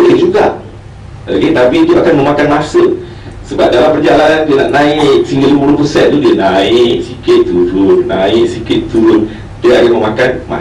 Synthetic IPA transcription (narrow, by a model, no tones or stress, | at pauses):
olɪhd͡ʒuɡaʔ | la̰ɡit̪apik̪it̪uʔakanmə̃makanmasə | səbap̚dalampərd͡ʒaʔlandiəna̰ʔnãɪʔsiŋɡəlipuɾupəsɛn̚t̪udiənaɪʔsikɪt̪t̪uɾʊnna̰ɪʔsikɪt̪t̪uun | d̥iəaɡaʔməmakanma̰